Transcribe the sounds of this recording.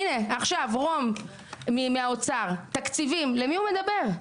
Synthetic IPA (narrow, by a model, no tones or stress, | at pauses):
neaχʃavʁo̞mː | imeaot͡saʁt̪akt͡sivimlemiume̞d̪abe̞ʁ